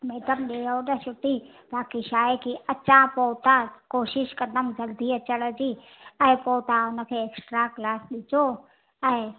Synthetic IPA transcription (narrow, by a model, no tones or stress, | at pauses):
meːʈəmɗeːjoɗɐʃʊʈi | baːkiʃaːekiɐt͡ɕãpoːt̪ãkoːʃɪʃkɐ̃nd̪əmzɐɡd̪ʱiɐt͡ɕəɽ̃d͡ʑiː | ɛ̃ːpot̪aʊnə̆kʰeːeːksʈɾaklaːsɗɪt͡ɕo | ɛ̃ː